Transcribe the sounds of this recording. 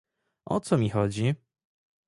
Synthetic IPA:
ʔɔ̰t̪sɔmʲixɔd͡ʑi

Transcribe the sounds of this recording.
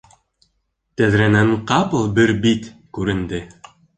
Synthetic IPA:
t̪æðɾænæɴqɑpɤlˠbɘɾbit̪kʉɾɘ̆nd̪ɘ

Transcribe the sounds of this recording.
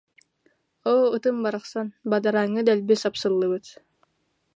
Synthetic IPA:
oːɯt̪ɯmbaɾɑχsanbad̪aɾaŋɯd̪ɛlʲbisapsɯlˠːɯβɯt̪

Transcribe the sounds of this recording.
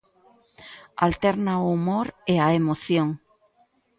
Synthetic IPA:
a̰lt̪eɾnaoumoɾeaemoθjoŋ

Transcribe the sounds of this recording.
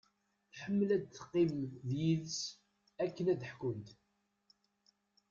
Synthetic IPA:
θħəmːəlæd̪θqːimðjiðs | ækːənæd̪əħkʊnt̪

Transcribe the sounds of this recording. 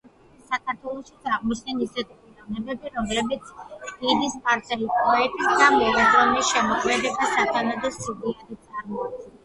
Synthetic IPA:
isakʰaɾt̪ʰwɛlˠɔʃid̪sʼaʁmɔt͡ʃʰnɛnisɛt̪ʰʼ | anɛbɛbiɾɔmlɛbit̪sʰɡinispʰaɾt̪sʼɛlipʰʼɔɛt̪ʼisd̪amɛlazɔnisʃɛmɔkʰmɛd̪ɛbisad̪anad̪ɛsudiad̪it̪sʼaɾmɔaɛ

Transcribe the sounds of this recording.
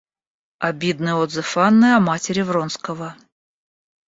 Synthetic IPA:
abʲid̪nɨjod̪zɨfanːɨjɐmatʲɪɾʲɪvronskəvə

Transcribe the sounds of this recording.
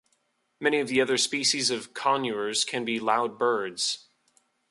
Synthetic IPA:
mɛñiʌvðiʌðə˞spiʃizʌv̥kʰɑ̃njuə˞z̥kʰɨ̃nbilaʊd̚bɜ˞dz̥

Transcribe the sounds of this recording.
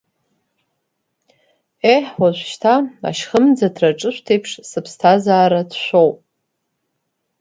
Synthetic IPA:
eħwaʒʷʃtʰaa̰ʃχəmd͡zadʰraʈ͡ʂʼɨʃʷtʰejpʰʂsɨpʰstʰazaːɾadʃʷowpʼ

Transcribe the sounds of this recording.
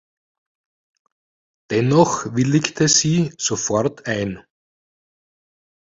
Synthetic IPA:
d̥ɛnɔxʋɪlɪktʰəziːz̥ofɔʁtʰaɪn

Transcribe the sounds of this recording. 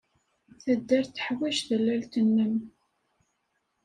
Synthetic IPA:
θæd̪ːæɾθə̥ħwiʃðəlːælt̪ənːəm

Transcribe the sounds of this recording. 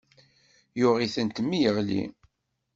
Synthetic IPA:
jʊʁiθənt̪mːijəʁlḭ

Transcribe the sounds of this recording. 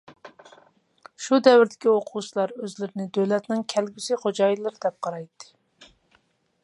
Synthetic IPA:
ʃud̪ɛwɪɾd̪ɪ̥kʲioqʰut͡ʃʰilˠɑɾøzlɪɾɪnɪd̪øwlɛt̪nɪŋkʲʰælɡʲysɪχod͡ʒɑjilˠɨɾɪd̪ɛp̚qʰɑɾɑjt̪ʰːɨ̥

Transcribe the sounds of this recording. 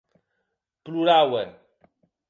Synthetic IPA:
pluɾawɛ

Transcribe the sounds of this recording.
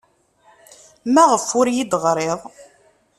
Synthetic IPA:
mæʁəfʊɾjid̪ʁɾˤeðˤ

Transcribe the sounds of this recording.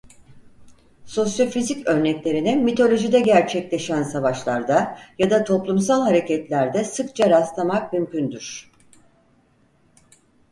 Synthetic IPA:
so̞sjo̞fizicø̞ɾnɛclʲe̞ɾinɛmit̪ʰo̞lʲo̞ʒid̪ɛɟæɾt͡ʃʰɛclʲe̞ʃænsavaʃlˠaɾd̪ajad̪at̪ʰo̞plˠumsalˠɦaɾe̞cɛt̪lʲæɾd̪ɛsɯkt͡ʃʰaɾaslˠamakmymcynd̪yɾ̥

